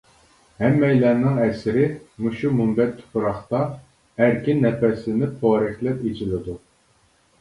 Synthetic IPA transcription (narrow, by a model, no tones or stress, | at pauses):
hɛmːɛjlɛnːɪŋɛsɪɾɪmuʃumumbɛt̪ʰːu̥pʰuɾɑχt̪ɑ | æɾkʲʰinːɛpɛslɪnɪp̚t̪ʰɑːɾɨχlˠɛpet͡ʃʰilɪd̪u